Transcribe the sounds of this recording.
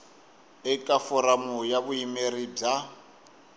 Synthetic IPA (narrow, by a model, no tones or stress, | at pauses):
ɛkʼafɔɾamujaβuimeɾib͡ʐa